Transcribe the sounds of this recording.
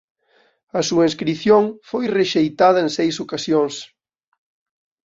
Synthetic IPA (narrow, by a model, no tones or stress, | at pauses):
ɐsuɐĩnskɾiθjoŋfojreʃejt̪aðɐensejsokasjoŋs